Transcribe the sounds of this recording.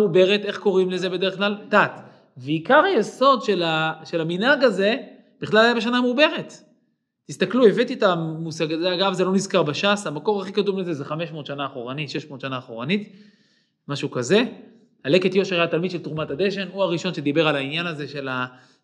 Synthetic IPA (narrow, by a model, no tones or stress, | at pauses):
ube̞ʁet̪e̞χko̞ʁimle̞ze̞be̞d̪e̞eχklalt̪at̪ | veikaʁajeso̞d̪ʃe̞laʃe̞laminhaɡaze̞ | b̥iχlalajabeanameube̞ʁet̪ː | ist̪aklue̞vet̪itamusaɡazeaɡavzelo̞nizkaʁbaʃashamako̞ʁaχikatumle̞ze̞zeχame̞ʃmo̞t̪ʃanaːχo̞ʁanitʃe̞ʃmo̞ːt̪ʃanaːχo̞ʁanit̪ | maʃukaze̞ | hale̞ket̪jo̞ʃeʁaatalmid̪ʃelt̪ʁumat̪ad̪eʃe̞nuaʁiʃo̞nʃed̪ibe̞ʁalainjanazeʃe̞la